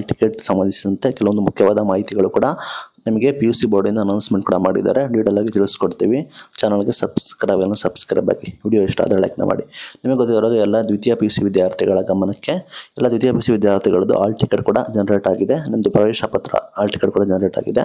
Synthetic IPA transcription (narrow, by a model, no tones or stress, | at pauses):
alʈikeʈsɐmʋɐnd̪isid̪ɐnt̪e̞kɛlɐʋond̪umukʰjɐʋaːd̪ɐmaːɦit̪iɡɐɭukuːɽɐnɐmɐɡe̞pijuːsiboːɾɖind̪ɐnɐwnsmeɳʈ̚kuːɽɐmaːɽḭd̪a̰ːɾeɖʋiːʈɐlːaːɡit̪iɭiskoɽt̪iːʋit͡ʃaːnɐlɡesɐbskɾabɐlnːɐsɐbskɾa̰ːba̰ːɡiʋiːɽijoːiʂʈɐ̰ːd̪ɾeɭɐ̰ːknɐ̰mʔa̰ːɽinɐmɡeɡot̪ːiɾaːɡɐɛlːɐd̪ʋid̪japisiʋid̪jaːɾt̪ʰiɡɐɭɐɡɐmɐnɐkːe̞ɛlːɐd̪ʋid̪japiːsiʋid̪jaːɾt̪ʰiɡɐɭɐd̪ṵʔa̰ːlʈikeʈ̚kuːɽɐd͡ʒɐnɐɾeːʈaːɡid̪enɐmɐd̪upɾɐʋɛːʃɐpɐt̪ɾɐ̰aːlʈikeʈ̚kuːɽɐd͡ʒɐnɐɾeʈa̰ːɡid̪ḛ